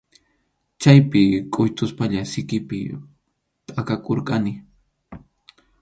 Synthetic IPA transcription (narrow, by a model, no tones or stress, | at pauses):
t͡ʃajpɪkʼʊjt̪ʊspaʎasɪkɪpɪ̰ | t̪ʼakakoɾqʼanɪ